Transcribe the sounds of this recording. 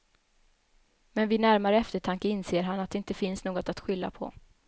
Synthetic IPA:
mɛnvɪnæɾmaɾəɛft̪əʈʰaŋkəɪnseːɾɦanat̪d̪ɛɪnt̪əfɪnsnoːɡɔt̪at̪ɧʏlːa̰pʰɔ̰

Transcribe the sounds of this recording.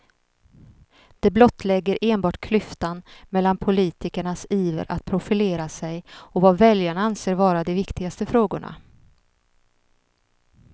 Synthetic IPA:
d̪̥ɛblɔt̪ːlɛɡːəɾʔeːnbɑːʈkʰlʏft̪anmɛlːanpʰʊliːt̪ɪkəɳasiːvə̰ɾʔa̰t̪̚pʰɾʊfɪleːɾasɛjɔvavɛljaɳaanseːɾvɑːɾad̪ɛvɪkt̪ɪɡast̪əfɾoːɡʊɳa̰

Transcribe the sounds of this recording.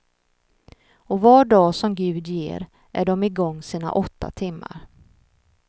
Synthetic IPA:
ɔvɑɖɑːsɔmɡʉ̟ːd̪jḛːɾ | ʔæɖɔmɪɡɔŋːsiːna̰ʔɔt̪ʰːa̰t̪ʰɪmːa̰ɾ

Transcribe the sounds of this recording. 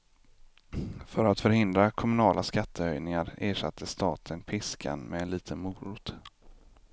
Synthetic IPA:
fœɾat̪fœɾhɪnd̪ɾakʰɔmɵnɑːlʔaskat̪ʰːəœjnɪŋaɾeːʂat̪ʰːəst̪ɑːt̪ʰənpʰɪskʰa̰nmɛːnliːt̪ʰənmuːɾʊt̪

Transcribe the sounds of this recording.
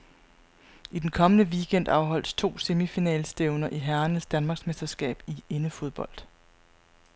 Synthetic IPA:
ʔid̥enkʰɒ̽mənəʋiɡ̥en̰d̥ɑ̈ʊɦɒ̽l̰d̥st͡sʰo̝̰ːse̝mifinɛ̰ːlsd̥eʊnɐʔiɦæɐnəsd̥ænmɑ̈ɡ̥smesd̥ɐsɡ̥ɛ̰ːb̥ie̝nəfo̝ð̞ˠb̥ɒ̽l̰d̥

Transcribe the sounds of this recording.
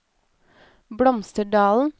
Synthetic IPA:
bɽɔmst̪əɖɑːln̩

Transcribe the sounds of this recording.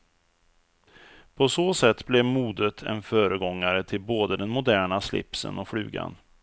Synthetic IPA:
pʰɔsoːsɛt̪ːblɛvmuːd̪ət̪ʰɛ̰nfœːɾəɡɔŋːaɾət̪ʰɪlboːd̪əd̪ɛnmʊd̪æːɳaslɪ̰psə̰nɔfɽʉ̟̰ːɡa̰n

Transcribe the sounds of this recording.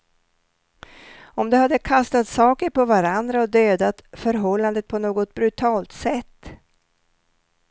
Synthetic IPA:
ɔmd̪ɛhad̪ːəkʰast̪at̪sɑːkəɾpʰɔvaɾand̪ɾaɔd̪øːd̪at̪fœɾɦɔlːand̪ət̪̚pʰɔnoːɡɔt̪̚bɾɵt̪ʰɑːlt̪sɛt̪ː

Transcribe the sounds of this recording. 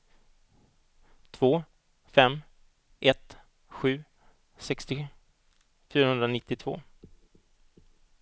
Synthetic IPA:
t̪ʰv̥oː | fɛmː | ʔɛt̪ | ɧʉ̟ː | sɛkst̪ɪ | fyːɾahɵnd̪ɾanɪt̪ːɪt̪ʰv̥o̰ː

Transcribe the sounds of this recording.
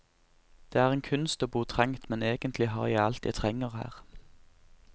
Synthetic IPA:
d̪̥eːæːʁeːnkʰʉnst̪oːbuːʁt̪ʰʁɛŋt̪mɛneːɡənt̪lɪɦɑ̰ːjæɪɑlt̪jæ̰ɪt̪ʰʁɛŋəʁhæ̰ːʁ

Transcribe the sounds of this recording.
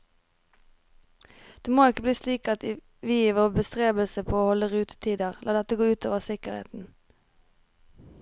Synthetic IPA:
d̪̥eːmoːɪkəbliːsliːkɑt̪ | ʋiːʋoːbəst̪ʁeːbəlsəpʰoːoːhɔləʁʉːt̪ə̥t̪ʰiːd̪əʁlʔɑːd̪ɛt̪əɡoːʉːt̪ʰo̰ːʋəʁsɪkəʁḛːt̪n̩

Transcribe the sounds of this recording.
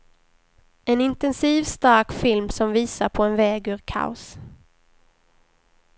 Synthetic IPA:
ɛnɪnt̪ɛnsiːvst̪aɾkfɪlmsɔmviːsaɾpʰɔɛnvɛːɡɵɾkʰa̰ʊs

